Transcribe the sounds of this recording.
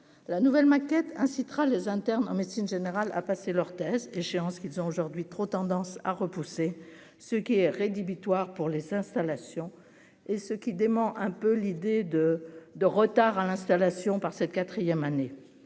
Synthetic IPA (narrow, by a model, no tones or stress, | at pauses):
lanuvɛlmakʲɛt̪ɛ̃sit̪χalezɛ̃t̪ɛʁnɑ̰̃met̪sinʒeneʁala̰paselœʁt̪ɛzeʃeɑ̃skilzɔ̃oʒuʁd̪ɥit̪χot̪ɑ̃d̪ɑ̃sa̰ʁəpuse | səkʲiɛʁed̪ibit̪waʁpuʁlezɛ̃st̪alasjɔ̃ | esəkʲid̪emɑ̃ʔɛ̃pølid̪ed̪əd̪əʁət̪aʁalɛ̃st̪alasjɔ̃paʁsɛt̪kat̪χijɛmane